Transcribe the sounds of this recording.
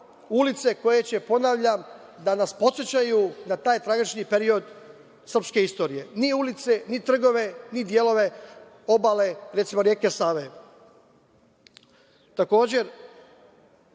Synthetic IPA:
ulit̪se̞ko̞je̞t͡ɕe̞po̞naʋʎamd̪anaspo̞t̪sjet͡ɕajunat̪aːjt̪ɾaɡit͡ʃnipe̞ɾio̞d̪ | sr̩pske̞ist̪o̞ːɾije̞niulit̪se̞nit̪r̩ɡo̞ʋe̞nid̪je̞lo̞ʋe̞ | o̞bale̞ɾe̞t̪simo̞ɾje̞ːke̞saːʋe | t̪ako̞ːd͡ʑe̞ɾ

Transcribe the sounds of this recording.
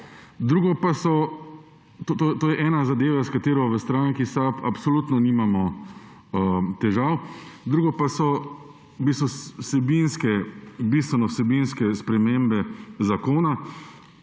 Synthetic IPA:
d̪ɾuːɡɔpasɔ | t̪ot̪ot̪oːjɛʔɛːnazad̪eːʋaskat̪eːɾɔʋəst̪ɾaŋkisapapsɔlut̪nɔniːmamɔ | t̪ɛʒawd̪ɾuːɡɔpasɔ | bist̪ʋɔsɛbinskɛbist̪ʋɛnɔwsɛbinskɛspɾɛmeːmbɛzakoːna

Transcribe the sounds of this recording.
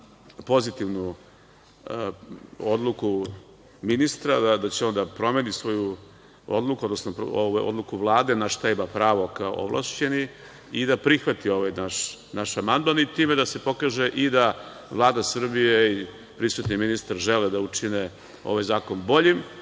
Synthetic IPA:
po̞zit̪iʋnu | od̪lˠuku | minist̪ɾad̪ad̪at͡ɕeond̪apɾo̞menisʋo̞ju | o̰d̪lˠukuod̪nosnopoʋa̰o̰d̪lukuʋlˠaːd̪e̞naʃt̪ajbapɾaːʋo̞kao̰ʔo̰ʋlˠa̰ʃt͡ɕe̞ni | id̪apɾixʋat̪io̞ʋajnaʃnaʃamand̪manit̪iːmed̪ase̞po̞kaːʒe̞ʔid̪a | ʋlˠaːd̪asr̩bijei | pɾisʋut̪niminist̪aɾʒeled̪aut͡ʂine | o̞̰ʋajzaːko̞nbo̞ʎim

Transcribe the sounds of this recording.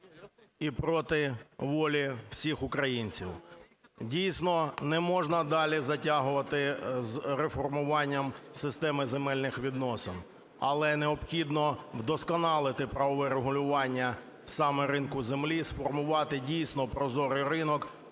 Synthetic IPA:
ipɾɔt̪ɪʋɔlʲiw̥sʲixʊkɾɐjinʲt͡sʲiw | dʲijsʲnɔnɛmɔʒnɐd̪ɑlʲizɐtʲaɦʊʋɐt̪ɪzrefɔrmʊʋɑnʲːɐmsɪst̪ɛmɪzemɛlʲnɪxʋʲid̪nɔsɪn | ɐ̰lˠɛneɔpxʲid̪nɔwd̪ɔskɔnɑlˠɪt̪ɪpɾɐʋɔʋɛɾeɦʊlʲʊʋɑnʲːɐ | wsɑmɛɾɪnkʊzemlʲisfɔrmʊʋɑt̪ɪdʲijsʲnɔpɾɔzɔɾɪjɾɪnɔk

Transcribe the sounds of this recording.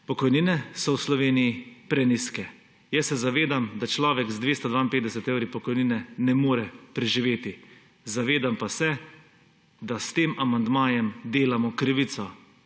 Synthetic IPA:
pɔkɔjninɛsɔwslɔʋeːnijipɾɛniskɛ | jɛsːɛzaʋeːd̪amd̪at͡ʃlɔːʋɛɡzd̪ʋeːst̪ɔd̪ʋaːinpeːt̪d̪ɛsɛt̪ewɾipɔkɔjniːnɛnɛmoːɾɛpɾɛʒiʋeːt̪i | zaʋeːd̪ampasɛ | d̪ast̪eːmamand̪maːjɛmd̪eːlamɔkɾiʋit̪sɔ

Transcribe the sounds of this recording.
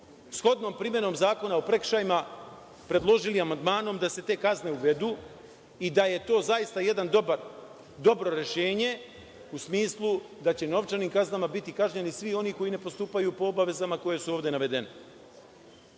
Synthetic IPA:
sxo̞d̪no̞mpɾimje̞no̞ːmzaːko̞naopɾe̞kʃajima | pɾe̞d̪lˠo̞ʒiliamand̪maːno̞md̪ase̞t̪e̞ːkazne̞uʋe̞d̪uː | id̪aje̞t̪o̞ːzajist̪aje̞d̪and̪obaɾ | d̪o̞bɾo̞ɾe̞ʃe̞ːɲe̞ | usmiːslˠu | d̪at͡ɕe̞no̞ʋt͡ʃaniːmkaznamabit̪ikaʒɲenisʋio̞niːko̞jine̞po̞st̪uːpajupo̞obaʋe̞zamako̞je̞suo̞ːʋd̪e̞naʋe̞d̪e̞ne

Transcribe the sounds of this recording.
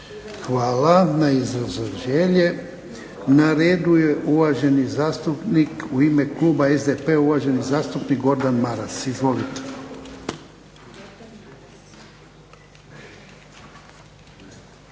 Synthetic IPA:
xʋaːlanaizɾazoʒeʎe̞ | naɾeːd̪uje̞ʔuʋaʒe̞nizaːst̪upnikuime̞klˠuːbaezd̪epeuʋaːʒe̞nizaːst̪upnikɡo̞ɾd̪anmaɾasizʋo̞lit̪e̥

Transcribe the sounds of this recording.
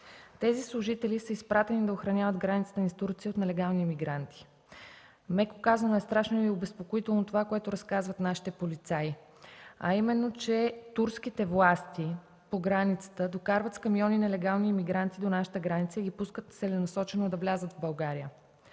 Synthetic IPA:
t̪ɛzislˠuʒit̪ɛlisəispɾat̪ɛnid̪ɐoxɾɐnʲavəd̪ɡɾanit̪sə̥t̪ənist̪uɾt̪siot̪nɛlɛɡalˠnimiɡɾant̪ʰi̥ | mɛko̥kazɐnoɛst̪ɾaʃnoiobɛspokoit̪ɛlˠnot̪ovakoɛt̪oɾɐskazvət̪naʃi̥t̪ɛpolit̪sai | ɐ̰imɛnːot͡ʃɛt̪uɾskit̪ɛvlˠast̪i | poɡɾanit̪sə̥t̪əd̪okaɾvət̪skɐmiɔninɛlɛɡalˠniːmiɡɾant̪id̪onaʃə̥t̪əɡɾanit̪səiɡʲipuskət̪sɛlɛnɐsɔt͡ʃɛnod̪ɐvlʲazəd̪vbɐlˠɡaɾijə

